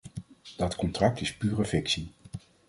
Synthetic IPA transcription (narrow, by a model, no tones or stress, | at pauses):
d̥ɑtkɔntrɑk̚tɪspyːrəvɪksi